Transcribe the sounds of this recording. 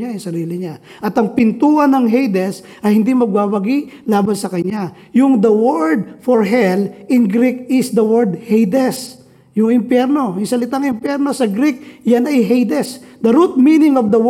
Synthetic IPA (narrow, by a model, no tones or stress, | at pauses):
ajʊŋsɐɾiːlɪɲa | ʔɐt̪ɐŋpɪnt̪uːhɐnɐŋɦejd̪ɛs | ɐjhɪnd̪imɐɡ̚baːbɐɡiʔlaːbɐnsɐkɐɲːa | jʊŋd̪ɐwɛɹd̪̚fɔɹɦɛlɪnɡɾik̚ɪsd̪ɐwɛɹd̪hejd̪ɛs | jʊŋɪmpjɛɾno̞jʊŋsɐlɪt̪aŋɪmpjɛɾno̞sɐɡɾik̚janɐjɦejd̪ɛsd̪ɐɾut̪̚minɪŋofd̪ɐw